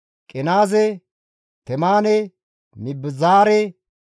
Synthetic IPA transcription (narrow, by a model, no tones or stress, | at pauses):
kʼɪnaːzɛ | t̪ɛmaːnɛ | mɪbːɪzaːɾɛ